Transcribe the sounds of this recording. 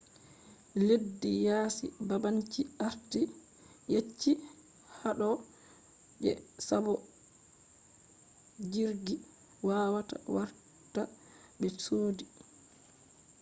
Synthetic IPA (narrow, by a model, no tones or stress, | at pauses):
ledːijaːsḭbabaɲt͡ʃiaɾti | jet͡ʃːi | haɗɔ | d͡ʒɛ̰sabɔ | d͡ʒiɾɡi | waːwata̰waɾ | ta | bɛsoːdi